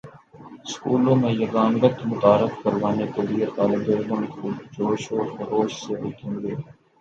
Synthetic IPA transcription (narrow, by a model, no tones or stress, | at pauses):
skuːlõːmẽjɐɡaːnɡət̪mʊt̪aːɾɪfkɐɾʋaːnekeliet̪aːlɪd̪eːɾd̪õmẽkʊld͡ʒoːʃoɾxɐɾoːʃseɾeːk̪ẽːɡ̪eː